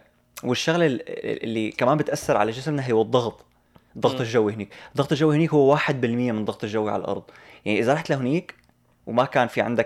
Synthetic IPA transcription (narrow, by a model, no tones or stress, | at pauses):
wɪʃːaɣlɪ̰lːikamaːmbɪt̪ʔasːɑɾˤʕa̰laʒɪsmnaɦɪwɨd̪ˤːɑɣt̪ˤ | d̪ˤːɑɣt̪ˤɪlʒawːihɪniːkd̪ˤɑɣt̪ˤɨlʒawːihɪniːkhʊwːwaːħɪd̪̚bɪlmɪjːamɪnd̪ˤɑɣt̪ˤɪlʒawːiʕa̰l̰ʔɑ̰ɾˤd̪ˤ | jaʕniʔɪzaɾˤɑħt̪laɦɪniːk | wmakaːnfiʕɪ̰nd̪a